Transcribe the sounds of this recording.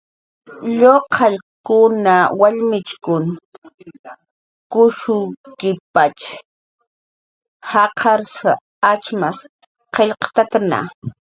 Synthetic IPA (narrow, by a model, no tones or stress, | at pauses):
ʎoqʰɑʎkʊnawaʎmɪt͡ʃkʊn | kʊʃʊkɪpat͡ʃ | hɑqʰɑɾsa | at͡ʃmas | qeʎqɑ̥t̪at̪ana̰